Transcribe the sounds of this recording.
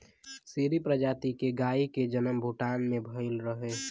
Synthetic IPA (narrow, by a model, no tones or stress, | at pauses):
siɾipɾəd͡ʒaːt̪ikeɡaːiked͡ʒənəmbʱuʈaːnmẽbʱəɪlɾəɦe